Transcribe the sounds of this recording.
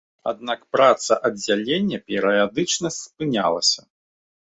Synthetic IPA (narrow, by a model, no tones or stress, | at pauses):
a̰d̪̚nakpɾat̪sɐʔɐd͡zʲalʲenʲːɐpʲɛɾɐjad̪ɨt͡ʂnɐsʲpɨnʲa̰lˠɐsʲɐ